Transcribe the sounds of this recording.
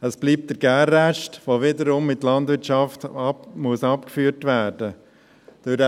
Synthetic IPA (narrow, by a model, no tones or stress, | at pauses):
əsb̥liːp̚td̥əɾɡ̥æːrːæʃtʋovɪdəɾʊmːɪtlɑndʋɪɾtt͡ʃɑftmuəsɑpkfyːətʋæːɾd̥ə | d̥ʊɾd